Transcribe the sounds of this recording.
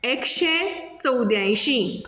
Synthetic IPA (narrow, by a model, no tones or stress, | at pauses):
ekɕet͡səwd̪jãj̃ɕĩ